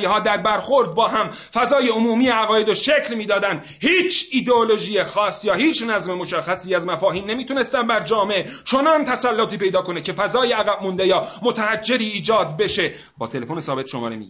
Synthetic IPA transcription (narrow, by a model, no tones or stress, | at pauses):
jeɦɒːd̪æɾbæɾxo̞ɾd̪̚bɒːɦæm | fæzɒːjeomuːmiːeæɣɒːjed̪oʃeclmiːd̪ɒːd̪ænd̪ | hiːt͡ʃʰid̪eolo̞ʒiːjexɒːsjɒːhiːt͡ʃʰnæzme̞mo̞ʃæxːæsiːæzmæfɒːhiːnːe̞miːt̪ʰune̞st̪ænd̪bæɾd͡ʒɒːmeʔet͡ʃʰo̞nɒnt̪ʰæsælːot̪iːpe̞jd̪ɒːkʰo̞necʰe̞fæzɒːjeæɣæbmund̪e̞jɒːmot̪ʰæhæd͡ʒːe̞ɾiːd͡ʒɒːd̪be̞ʃe̞ | bɒ̰ːt̪ʰe̞le̞foːnesɒːbe̞t̪ʃomɒ̰ːɾemḭɟ